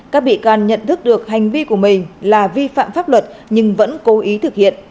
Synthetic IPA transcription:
kaː˦˥k̚ɓḭ˧˨kaː˨˩nɲə̰˧˨nt̪ʰɨ˦˥k̚ɗɨ˨˩ək̚ha˨˩jŋ̟vi˧ku˧˩əmï˨˩ŋ̟laː˨˩vi˧fa̰ː˧˨mfaː˦˥p̚lwə˨˩t̚ɲɨ˧ŋvə̰˧˥nko˨˦ʔi˨˦t̪ʰɨ˨˩k̚hḭ˧˨ən

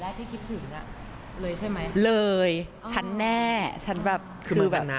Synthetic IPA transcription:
laː˥˩k̚t̪ʰiː˥˩kʰi˦˥t̪̚t̪ʰɯ˨˩˦ŋa˦˩ | lɤː˧jt͡ɕʰa˥˩jma˦˥jlɤː˧j | t͡ɕʰa˦˥nːɛː˥˩t͡ɕʰa˦˥nbɛː˨˩p̚kʰɯː˧mɯː˧bɛː˨˩na˦

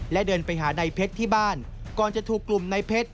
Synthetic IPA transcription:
lɛ˦˥ʔdɤː˧npa˧jɦaː˩˦na˧jpʰe˦˥t̪ʰːiː˥˩baː˥˩n | kɔː˨˩nt͡ɕa˨˩t̪ʰuː˨˩kːlu˨˩mna˧jpʰe˦˥t̪̚

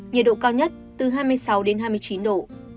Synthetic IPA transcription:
ɲi˨˩əɗo̰˧˨kaː˧wɲə˦˥t̚t̪ɨ˨˩ɦaː˧jmɨ˧əjsa˨˦wɗe˨˦nɦaː˧jm˧əjt͡ɕi˨˦nɗo̰˧˨

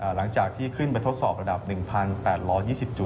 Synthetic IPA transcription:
ʔaː˨˩la˩˦ŋt͡ɕaː˨˩k̚t̪ʰiː˥˩kʰɯ˥˩npa˧jt̪ʰo˦˥t̪̚sɔː˨˩p̚ɾa˧da˨˩p̚nɯ˨˩ŋpʰa˧npɛː˨˩t̪̚ɾɔː˦˥jiː˥˩si˨˩p̚t͡ɕu˨˩t̪

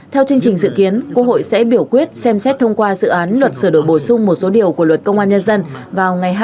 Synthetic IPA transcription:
t̪ʰɛ˧wt͡ɕɨ˧əŋt͡ɕï˨˩ŋ̟zɨ̰˧˨ki˨˦ənkwu˦˥ək̚ho̰˧˨jsɛ̰˧˥ɓi˧˩əwkwi˦˥ət̚sɛ˧msɛ˦˥t̚t̪ʰə˧wŋ͡mkwaː˧zɨ̰˧˨ʔaː˨˦nlwə˨˩t̚sɨː˧˩ɗo̰˧˨jɓo˧˩sʊ˧ŋ͡mmo˨˩t̚so˨˦ɗi˨˩əwku˧˩əlwə˨˩t̚kə˧wŋ͡mʔaː˧nɲə˧nzə˧nvaː˨˩wŋa˨˩jɦ

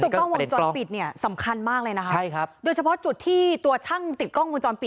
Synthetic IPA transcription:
t̪ʰt̪ːɔ˥˩ŋwo˧˩t͡ɕɔː˧pi˨˩t̪̚ni˥˩ɐsa˩˦mkʰa˧nmaː˥˩k̚lɤː˧jna˦˥kʰt͡ɕʰa˥˩jʰa˦˥doː˧jt͡ɕʰa˧pʰɔ˦˥t͡ɕu˨˩t̪ʰːiː˥˩t̪u˧ɐt͡ɕ̪ʰa˥˩ŋt̪i˨˩t̪̚kɔ˥˩ŋwo˧t͡ɕɔː˧npi˨˩t

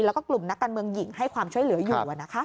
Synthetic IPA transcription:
lɛː˦˥wkɔː˥˩klu˨˩mna˦˥kːaː˧nmɯ˧əŋji˨˩˦ŋha˥˩jkʰwaː˧mt͡ɕʰu˥˩əjlɯ˩˦ɐjuː˨˧˨ʔa˨˩na˦kʰa˦˥

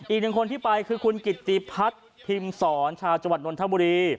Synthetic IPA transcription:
ʔiː˨˩k̚nɯ˨˩ŋkʰo˧nt̪ʰiː˥˩pa˧jkʰɯː˧kʰu˧nki˨˩t̪ːi˧pʰa˦˥t̪̚ | pʰːi˧msɔː˩˦nt͡ɕʰaː˧wt͡ɕa˧ŋwa˨˩t̪̚no˧nt̪ʰa˦˥buː˧ɾiː˧

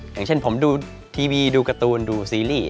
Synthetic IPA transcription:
ja̰˨˩ŋt͡ɕʰe˥˩npʰo˩˦mduː˧ | t̪ʰiː˧wiː˧duː˧ka˧t̪uː˧nduː˧siː˧liː˥˩

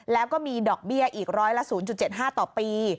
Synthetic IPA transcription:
lɛː˦˥wkɔː˥˩miː˧dɔː˨˩k̚bi˥˩ɐʔiː˨˩k̚ɾɔː˦˥jla˦˥ʔsuː˩˦nt͡ɕu˨˩t̪̚t͡ɕe˨˩ɦaː˥˩t̪ɔː˨˩piː˧

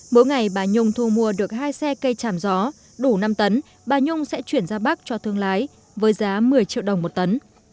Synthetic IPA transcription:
mo˨˦jŋa˨˩jɓaː˨˩ɲʊ˧ŋ͡mt̪ʰu˧mu˧əɗɨ˨˩ək̚haː˧jsɛ˧kə˧jt͡ɕaː˧˩mzɔ˨˦ | ɗu˧˩na˧mt̪ə˨˦n | ɓaː˨˩ɲʊ˧ŋ͡msɛ̰˧˥t͡ɕwi˧˩ənzaː˧ɓa˦˥k̚t͡ɕɔ˧t̪ʰɨ˧əŋlaː˨˦j | vəː˨˦jzaː˨˦mɨ˨˩əjt͡ɕḭ˧˨wɗə˨˩wŋ͡mmo˨˩t̚t̪ə˨˦n

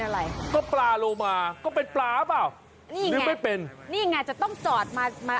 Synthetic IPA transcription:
nʔa˧ɾa˧jkɔː˥˩plaː˧loː˧maː˧kɔː˥˩p̬e˧nplaː˦˥˦paː˨˩w | niː˥˩˨ɾɯː˨˦˧ma˥˩jpe˧nniː˥˩˨ŋːaː˧˩t͡ɕa˨˩t̪ɔ˥˩ŋt͡ɕɔː˨˩t̪̚maː˧maː˧

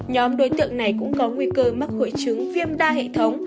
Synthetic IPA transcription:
ɲɔ˨˦mɗo˨˦jt̪ɨ̰˧˨əŋna˨˩jkʊ̰˧˥ŋ͡mkɔ˨˦ŋwi˧kəː˧ma˦˥t̚ho̰˧˨jt͡ɕɨ˨˦ŋfi˧əmɗaː˧ɦḛ˧˨t̪ʰə˨˦wŋ͡m

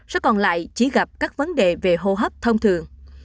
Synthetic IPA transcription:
zɛ̰˧˥kɔ˨˩nla̰ː˧˨jt͡ɕi˧˩˦ɣa˨˩p̚kaː˦˥k̚və˨˦nɗe˨˩ve˨˩ɦo˧ɦə˦˥p̚t̪ʰə˧wŋ͡mt̪ʰɨ˨˩əŋ

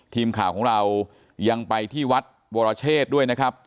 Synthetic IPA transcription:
t̪ʰiː˧mkʰaː˨˩wkʰːŋɾa˧w | ja˧ŋpa˧jt̪ʰiː˥˩wa˦˥t̪̚ | woː˧ɾa˧t͡ɕʰeː˥˩t̪̚du˥˩əjna˦˥kʰɾa˦˥p̚

